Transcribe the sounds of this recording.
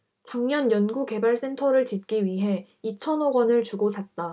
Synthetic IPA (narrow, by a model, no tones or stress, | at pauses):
t͡ɕaŋɲʌnjʌnɡuke̞baɭs͈e̞ntʰʌɾɯɭt͡ɕit̚k͈iɥiɦe̞ | it͡ɕʰʌnoɡʌnɯɭt͡ɕuɡosʰat̚t͈a